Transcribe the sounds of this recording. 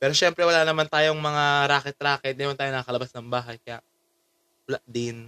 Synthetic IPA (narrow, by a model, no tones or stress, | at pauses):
pɛːɾo̞ʃɛmpɾɛwɐlaːnɐmant̪aːjoŋmɐŋaɾaːkɛt̪̚ɾaːkɛt̪̚mɛːmɐnt̪aːjonɐkakɐlɐbasnɐŋbaːɦɐjkɐjaʔ | plaʔd̪ɪn